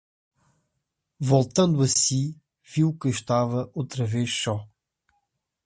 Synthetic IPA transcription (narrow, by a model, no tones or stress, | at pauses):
volˠt̪ɐ̃nd̪uɐsi | viwkɨʃt̪avɐʔowt̪ɾɐveʃsɔ